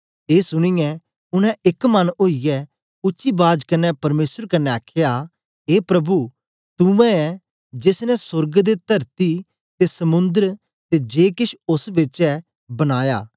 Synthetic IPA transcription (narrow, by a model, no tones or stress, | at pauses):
eːsʊɽ̃ɪjɛ̃ | ʊnɛ̃ʔɪkmɐnoːijɛ | ʊtːʃibaːd͡ʒkɐnːɛpɐɾmeːsəɾkɐnːɛaːkʰeja | ɦeːpɾɐbu | t̪ʊʋɛ̃ɛ | d͡ʒesnɛsʊɾɡd̪et̪ʰɐɾt̪i | t̪esɐmʊ̃nd̪əɾ | t̪ed͡ʒeːkɪʃʊsbɪt͡ʃɛ | bɐɽ̃aːja̰ː